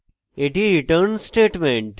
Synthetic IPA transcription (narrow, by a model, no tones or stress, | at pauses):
eʈiɾiʈəɾnsʈeːʈmẽɳʈ